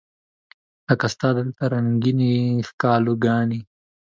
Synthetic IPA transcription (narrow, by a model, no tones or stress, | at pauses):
akast̪aːd̪əlt̪aɾaŋɡinikaːluɡɑːni